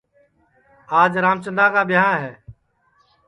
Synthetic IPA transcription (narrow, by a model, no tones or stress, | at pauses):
aːd͡ʒɾaːmt͡ʃənd̪aːkaːɓɪãːɦɛː